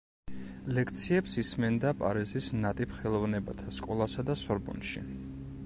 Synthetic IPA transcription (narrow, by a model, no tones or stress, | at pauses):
lɛkʰt̪sʰiɛpsismɛnd̪apʼaɾizisnat̪ʼipʰχɛlˠɔvnɛba̰t̪ʰaskʼɔlˠasad̪asɔɾbɔ̰nʃḭ